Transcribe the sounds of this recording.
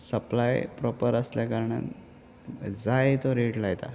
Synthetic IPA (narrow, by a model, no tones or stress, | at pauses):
səplajpɾɔpəɾəsljakəɾɳa̰n | d͡zajt̪oɾeʈlajt̪a̰